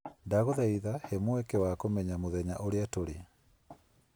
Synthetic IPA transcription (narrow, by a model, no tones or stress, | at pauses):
ndaɣoðaiðahɛmoɛkɛwakomɛɲamoðɛɲaʔoɾeatoɾea